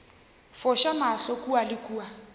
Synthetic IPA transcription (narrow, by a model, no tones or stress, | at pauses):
fɔʃamaɬɔkʼualɪkʼuːa